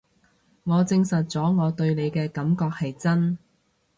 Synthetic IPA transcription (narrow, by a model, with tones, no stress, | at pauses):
ŋɔː˨˧t͡sɪ˧ŋsɐ˨t̚t͡sɔː˨˥ŋɔː˨˧t̪ɵ˧ɥne˨˧jkɛː˧kɐ˨˥mkɔː˧k̚hɐ˨jt͡sɐ˥n